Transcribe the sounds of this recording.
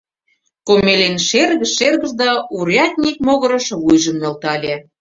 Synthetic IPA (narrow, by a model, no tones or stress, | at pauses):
komelenʃerɣə̆ʃːerɣə̆ʒd̪ɑuɾjɑt̪̚ʲnʲik̚moɣɤ̆ɾɤ̆ʃβujʒə̆mnɤ̆lt̪ɑlʲĕ